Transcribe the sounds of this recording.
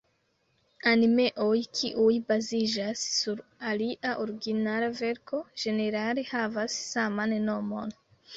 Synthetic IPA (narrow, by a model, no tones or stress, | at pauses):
anime̞ʔo̞jkʰiʔujbazid͡ʒasːuɾaliʔaʔoɾiɡinalave̞ɾkʰo̞d͡ʒe̞ne̞ɾale̞havasːamanno̞mo̞̰n